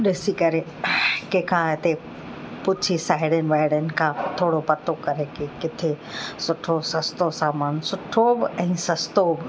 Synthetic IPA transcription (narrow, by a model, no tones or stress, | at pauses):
ɗɪsikɐɾe | kekʰãɪt̪e | pʊt͡ʃʰisaːɪɽənʋaːɪɽənɪ̆kʰãt̪ʰoːɽopɐt̪okɐɾekekɪt̪ʰe | sʊʈʰosɐst̪osaːmaːnsʊʈʰobɛ̃ːsɐst̪obɪ